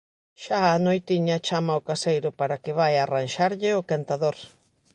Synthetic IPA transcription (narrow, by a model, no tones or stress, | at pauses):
ʃaanojt̪iɲɐt͡ʃamaʊkasejɾʊpaɾakɪβajaranʃaɾʎɪʊkant̪aðoɾ